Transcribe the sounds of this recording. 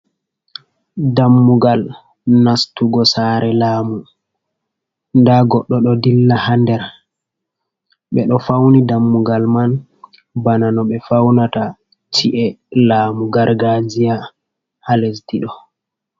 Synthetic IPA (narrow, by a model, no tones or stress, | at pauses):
damːuɡal | nastuɡɔsaːɾʔɛlaːmu | ndaɡɔɗːɔɗɔdilːahandɛɾ | ɓɛɗɔfawnidamːuɡalman | bananɔɓɛfawnata | tʰiʔɛlaːmuɡaɾɡad͡ʒija | halesdiɗɔ